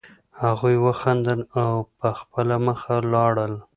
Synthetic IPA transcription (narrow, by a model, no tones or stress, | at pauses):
haɣujwəxand̪əlawpəxpəlaməxalɑɽəl